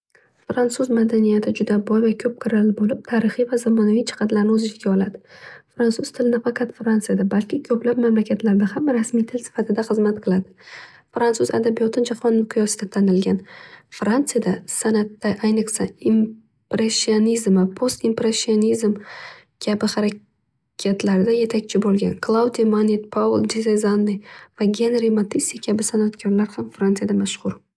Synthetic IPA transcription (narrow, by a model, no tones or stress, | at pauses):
fɾantsuzmad̪anijat̪ʰɪd͡ʒʊd̪abɒjvakʲʰɵp̚kʰɪɾalbolɪp̚t̪ʰaɾɨχijvazamɒnavit͡ʃʰɪ̥qʰɑd̪laɾnɪɵzɪt͡ʃɪɡʲaɒlˠad̪ɪfɾansʊzt̪ʰɪlɪnɪfakʰat̪fɾant̪sɨjad̪abalkʲʰɪkʲʰɵplap̚mamlakʲʰat̪laɾd̪ahamɾasmijt̪ʰɪlsɪ̥fat̪ʰɪd̪aχɨzmat̪̚qʰɨlˠad̪ɪ | fɾansuza̰d̪abijɒt̪ʰɪnd͡ʒahɒnːʊqʰʊjɒsɪd̪at̪ʰanɪlɡʲanfɾant̪sɨjad̪asanat̪ːaʔajnɨqsaim | pɾesːionizmɪpʰost̪impɾesːionizm | kʲʰabɪχaɾa | kʲʰat̪ʰlaɾɪd̪aje̞t̪ʰakʲt͡ʃʰɪbolˠɡʲa̰nkʰlˠawd̪ijmanet̪pʰavʊlˠd̪ezezanːɪjvaɡʲenɾimat̪ʰisikʲʰabɪsanat̪kʲʰaɾlaɾhamfɾant̪ɨjad̪amaʃqʊɾ